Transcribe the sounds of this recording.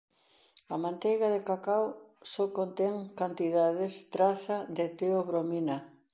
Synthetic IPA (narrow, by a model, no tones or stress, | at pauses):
ɐmãnt̪ejɣaðekakawsokont̪ɛŋkant̪iðaðɪst̪ɾaθad̪et̪eoβɾominɐ